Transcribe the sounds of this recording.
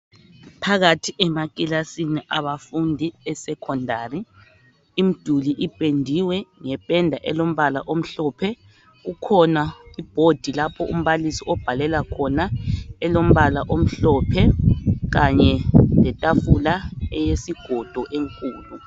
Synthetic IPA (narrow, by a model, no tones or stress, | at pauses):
pʰaɣatʰiʔɛmakʼilasiniʔaβafundʱiɛsɛkʰɔndʱaːriː | m̩d̥ʱuliʔipʼendʱiwɛŋɛpʼɛndʱaʔɛlom̩βalaʔom̩ɬɔːpʰɛ | ɣukʰɔnaib̥ʱod̥ʱilapʰɔʔṵm̩βalisiɔb̥ʱalɛlakʰɔnaɛlom̩βalaʔom̩ɬɔpʰɛɣaɲɛlɛtʼafulaɛjesiɡ̥ʱɔd̥ʱɔʔeŋkʼuːlu